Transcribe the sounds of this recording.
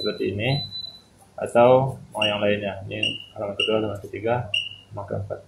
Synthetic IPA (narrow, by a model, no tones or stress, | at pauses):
əpərt̪iːni | ʔa̰t̪awmajaŋlaɪnɲainialamankədualamankət̪iɡamaka̰npa̰t̪̚